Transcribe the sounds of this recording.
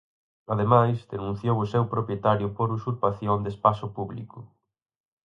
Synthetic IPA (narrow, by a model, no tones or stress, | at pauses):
aðemajzd̪enũn̟θjowʊsewpɾopjet̪aɾjʊpoɾusuɾpaθjond̪espasʊpuβlikʊ